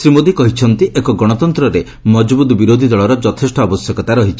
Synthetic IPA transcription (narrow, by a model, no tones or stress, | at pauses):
sɾimod̪ikɔɦit͡ʃʰɔnt̪iʔekɔɡɔɽ̃ɔt̪ɔnt̪ɾɔɾe | mɔd͡ʒbud̪ɔbiɾod̪ʱid̪ɔɭɔɾɔd͡ʒɔt̪ʰesʈɔːbɔsjɔkɔt̪aɾɔɦit͡ʃʰi̥